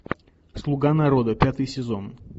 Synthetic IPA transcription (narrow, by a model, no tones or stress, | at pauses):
slˠʊɡanɐɾod̪əpʲat̪ɨjsʲɪzon